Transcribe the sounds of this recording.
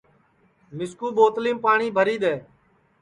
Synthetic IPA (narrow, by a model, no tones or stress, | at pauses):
mɪskuːɓoːt̪liːmpaːɳiːbʱəɾiːɗ̪eː